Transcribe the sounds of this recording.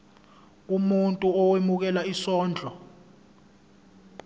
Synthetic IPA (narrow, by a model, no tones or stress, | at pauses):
umuntʼuɔwemuk̬ɛlaisɔːnd͡ɮʱɔ